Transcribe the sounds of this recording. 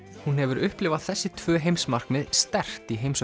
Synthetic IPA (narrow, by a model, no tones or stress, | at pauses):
hunhɛvʏɾʏhplɪvaðθɛsːɪt̪ʰvœːɦejmsmar̥kmɛðst̪ɛr̥t̪iɦejms